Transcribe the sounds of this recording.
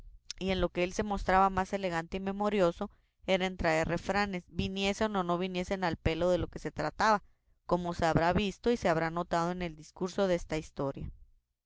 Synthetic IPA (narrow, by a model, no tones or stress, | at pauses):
ie̞nlo̞ke̞else̞mo̞st̪ɾaβamase̞le̞ɣ̞ant̪eime̞mo̞ɾjo̞so̞ | e̞ɾaent̪ɾae̞re̞fɾane̞sbinje̞seno̞no̞βinje̞se̞nalpe̞lo̞ðe̞lo̞ke̞se̞t̪ɾat̪aβa | ko̞mose̞aβɾaβist̪o̞ise̞aβ̞ɾano̞t̪að̞o̞ene̞ld̪iskuɾso̞ð̞eest̪aist̪o̞ɾja̰